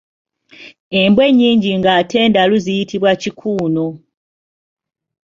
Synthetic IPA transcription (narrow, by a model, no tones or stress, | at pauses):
e̞mbwe̞ɲːiːɲɟiŋɡatʰe̞ːndaluzijitʰiβwacikʰuːno̞